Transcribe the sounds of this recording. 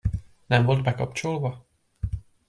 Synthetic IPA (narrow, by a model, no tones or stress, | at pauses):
nɛɱvo̞ld̪bɛkɒpt͡ʃolvɒ